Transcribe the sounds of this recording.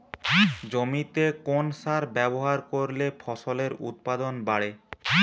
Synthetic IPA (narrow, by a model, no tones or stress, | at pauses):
d͡ʑomit̪ekonsaɾbɛboɦaɾkoɾlefʰɔʃoleɾṵt̪̚pad̪onbaɽe